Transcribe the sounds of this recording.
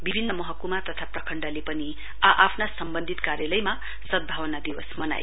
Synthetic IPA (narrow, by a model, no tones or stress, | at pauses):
bibʱinːʌmʌɦʌkumat̪ʌt̪ʰaprʌkʰʌɳɖalepʌni | aʔapʰnasʌmbʌnd̪ʱit̪kaɾjʌlʌjma | sʌd̪̚bʱawʌnad̪iwʌsmʌna̰j